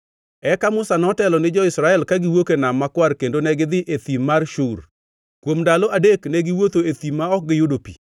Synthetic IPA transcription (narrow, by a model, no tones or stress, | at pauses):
ɛkamʊsanɔtɛlɔnɪd͡ʒɔɪsɾaɛlkaɡɪwokenamːakwarkendonɛɡɪd̪ɪʔet̪imːarʃur | kwomdaloadeknɛɡɪwot̪oet̪imaɔk̚ɡɪjodopḭ